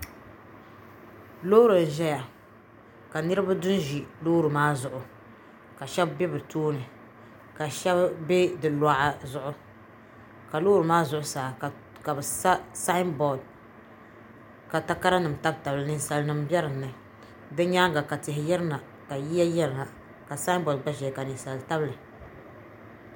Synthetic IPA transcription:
loː˦ɾɨ˨n˨ʒɛ˦ja˨ | ka˨nɨ˦ɾɨ˦ba˦dʊ˦n˦ʒi˨lo˦ɾɨ˨maː˦zʊ˨ʔʊ˨ | ka˨ʃɛ˦bbɛ˦bɨ˨toː˦nɨ˨ | ka˨ʃɛ˦bbe˦dɨ˨laː˦ʔa˦zʊ˦˨ʔʊ˦ | ka˨loː˦ɾɨ˨maː˦zʊ˨ʔʊ˨˦saː˨ | ka˨bɨ˨sa˦sa˦nbɔ˨d̚ | ka˨ta˦ka˦ɾa˦nɨ˨m˨ta˦bta˨blɨ˨nɨ˦n˦sa˨lnɨ˨mbɛ˦ɾɨ˨nːɨ˨ | dɨ˦ɲaː˦ŋɡa˨ka˨tɪ˨hɪ˨jɛ˦ɾɨ˦na˨ | ka˨ji˦ja˦jɛ˦ɾɨ˨na˨ | ka˨sa˦nbɔ˨d̚ɡ͡ba˦ʃɛ˨ka˨nɨ˨sa˨lta˦blɨ˨

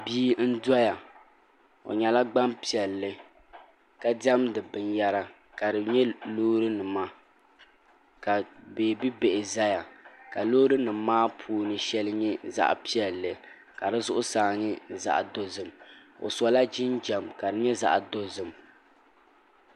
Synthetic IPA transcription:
biː˦n̩˦dɔ˦ja˨ | o̰˨ɲɛ˨la˦ɡ͡ba˦mpi˦˨ɛ˨lːɨ˦ | ka˦dɛ˦mdɨ˨bɨ˨nja˦ɾa˨ | ka˨dɨ˨ɲɛ˦loː˦ɾɨ˦nɨ˨ma˦ | ka˨beː˨bi˦be˨ʔɪ˨za˦ja˨ka˨lo˦ɾɨ˦nɨ˨m˦mːaː˦pʰuː˦nɨ˨ʃɛ˦lɨ˦ɲɛ˦za̰˦ʔpi˦ɛ˨lːɨ˨ | ka˨dɨ˨zʊ˦ʔʊ˦saː˨ɲɪ˦za̰˨ʔdo˦zɨ˨m | o̰˨sɔ˨la˦d͡ʒɪ˦nd͡ʒɛ˨mka˨dɨ˨ɲɛ˦za̰˦ʔdo˦zɨ˨m

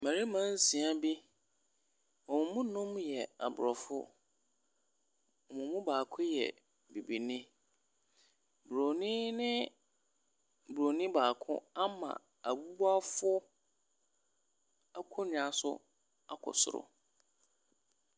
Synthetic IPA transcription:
mã˨ɾi˦mã˦n̩˦sĩ˨a˦bi˦ | ɔ˨mʊ̃˨mũ˦nʊ̃˦m˦jɛ˨a̰˨bʊ˨ɾɔ˨fʊ̰˦ | ɔ˨mũ˨mũ˦baː˨kʰʊ˦jɛ̰˨ | bi˨bi˨nĩ˦ | bɾo˨nĩ˦nɪ̃˦ | bu˨ɾo˨nĩ˦baː˨kʰʊ̰̃˦a˦mã̰˨ | a˨bu˦ba˦fʊ˦ | a˦kʰʊ˦nɪ̃˨a˨sʊ̰˦ | a˦kʰɔ̰˨sʊ̰˦ɾʊ̰˨

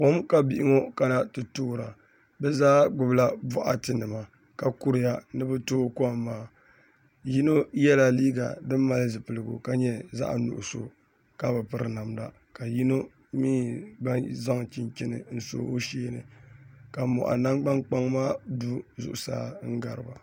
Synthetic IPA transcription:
ko˦mka˦bi˦˨ʔɪ˦ŋo˦ka˨na˦tɨ˨toː˦˨ɾa˨ | bɛ˦zaː˦ɡ͡bʊ˦˨bla˦bɔ˦ʔa̰˨tɨ˨nɨ˨ma˨ | ka˨ku˦ɾɨ˦ja˦nɨ˦bɨ˦toː˦kmːaː˦ | ji˦no˦jɛ˦la˨liː˦ɡa̰˨dɨ˦mː˦a˨lɨ˦zɨ˨pɨ˨lɨ˨ɡṵ˨ka˦ɲɛ˦za̰˦ʔnṵ˨ʔʊ˨so̰˨ | ka˦bɨ˨pɨ˦ɾɨ̰˨na˨mla̰˨ | ka˨ji˦no˦ | miː˦ɡ͡ba˦za˦ŋ˨t͡ʃi˦nt͡ʃɪ˦nɨ̰˨n̩˦so̰˦o˦ʃeː˦nɨ˨ka˨mɔ̰˨ʔa̰˨na˦ŋɡ͡ba˦ŋk͡pa˦ŋmaː˦du˦zʊ̰˨ʔʊ˨sa̰ː˦ŋ̩˦ɡa˨ɾɨ˨ba˨

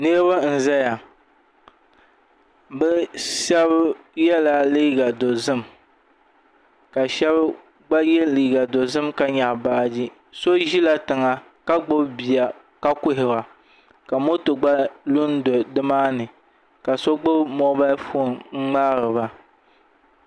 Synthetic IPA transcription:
ne˦βa˦n̩˨za˦ja˨ | bɛ˦ʃɛ˦β | jɛ˦la˦liː˦ɡa˨do˨zɨ˦m | ka˨ʃɛ˦b | ɡ͡ba˦jɛ˦liː˨ɡa˨do˨zɨ˦mka˦ɲa˨ʔbaː˦d͡ʒi˦ | so˦ʒi˦la˦tɨ˨ŋa˨ | ka˦ɡ͡bʊ˦bbi˨ja˨ | ka˦kʊ˦ɦɪ˨ba˨ | ka˨mo˦tɨ˨ɡ͡ba˦lu˦n˦do˨dɨ˦maː˦nɨ˨ | ka˨so˦ɡ͡bʊ˦bmɔ˦ba˦fo˦˨nŋ͡m̩˦ŋ͡maː˦ɾɨ˨ba˦

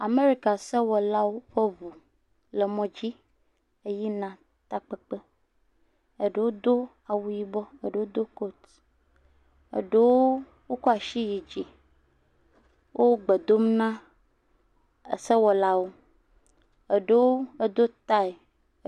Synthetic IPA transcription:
a˨me˦ɾi˦ka˨se˦wɔ˨la˦wo˦ɸe˦vu˨ | lə˨mɔ̃˦d͡ʑi˦ | e˦ji˦nã˨ | t̪a˦k͡pe˦k͡pe˦ | e˨ɖe˦˨wo˦d̪o˦ | a˨wu˦ji˦bɔ˦e˦˨ɖe˨wo˦d̪o˦ko˦t̪ | ḛ˨ɖe˦wo˦ | wo˦kɔ˦a˨ʃi˦ji˨d͡ʑi˨ | wʔo˦ɡ͡be˨d̪o˦mnã˦˨ | se˦wɔ˨la˦wo˦ | e˨ɖe˦wo˦e˦d̪o˦t̪a˦e˨˦

